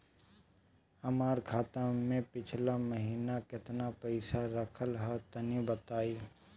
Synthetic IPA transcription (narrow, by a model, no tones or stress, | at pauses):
ɐmaːɾkʰaːt̪amẽpɪt͡ʃʰlaməɦiːnakɪt̪napəɪsaɾəkʰəlɦat̪ənibət̪aːiː